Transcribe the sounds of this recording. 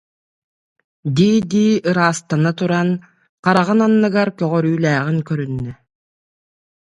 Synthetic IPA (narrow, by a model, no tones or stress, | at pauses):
d̪iːd̪iːɯɾaːst̪anat̪uɾan | qaɾaʁɯnanːɯɡaɾkœʁœɾyːlæːʁiŋkœɾynːɛ